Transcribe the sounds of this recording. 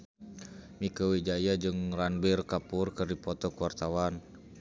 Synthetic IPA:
mikəwid͡ʒajad͡ʒɨŋranbirkapurkɨrdipɔt̪ɔkuwart̪awan

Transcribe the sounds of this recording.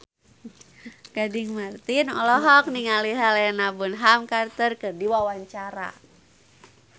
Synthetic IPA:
kadɪŋmart̪inɔlɔɦɔk̚niŋaliɦalaanabunɦamkart̪ərkɨrdiwawaɲt͡ʃaɾa̰

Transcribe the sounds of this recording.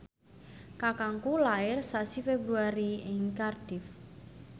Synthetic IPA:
kakaŋkulaɪrsasifebɾuaɾiɪŋkard̥ɪf

